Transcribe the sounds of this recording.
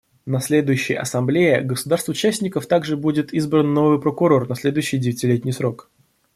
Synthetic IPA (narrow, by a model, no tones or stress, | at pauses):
nɐsʲlʲe̞d̪ʊjʉɕːɪjə̰ʔɐ̰sɐmblʲejə̰ɡəsʊd̪arst̪vʊt͡ɕːæsʲnʲɪkəft̪aɡʐɨbudʲɪt̪izbɾənːo̞vɨjpɾəkʊɾo̞rnɐsʲlʲe̞d̪ʊjʏɕːɪjdʲɪvʲɪtʲɪlʲetʲnʲɪjsɾo̞k